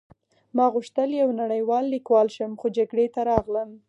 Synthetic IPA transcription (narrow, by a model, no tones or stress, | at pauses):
mɑɣʊʃt̪əljawnaɽəjwɑlːikwɑlʃəmxod͡ʒaɡɽet̪aɾɑɣləm